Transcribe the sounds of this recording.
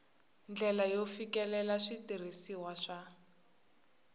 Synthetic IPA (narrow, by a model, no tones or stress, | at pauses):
nd͡ɮɛlajofikɛlɛlaʂitir̤isiwaʂa